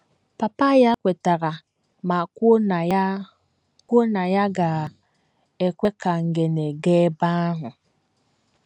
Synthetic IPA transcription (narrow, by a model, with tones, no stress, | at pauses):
pa˨pa˦ja˦kʷe˨ta˨ɣa˨ | ma˨ko˦˨˦ | kʷo˦na˨ja˦ɡa˨ | e˨kʷe˦ka˨ŋ̩˨ɡe˨ne˨ɡe˦ba˦ɦʊ˨